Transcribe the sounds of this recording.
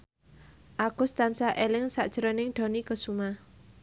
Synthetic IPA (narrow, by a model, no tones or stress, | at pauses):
ʔaɡ̥ʊ̤st̪ansaʔelɪŋsaʔd̥ʒ̥əɾɔnɪŋɖ̪̥o̤nikəsuma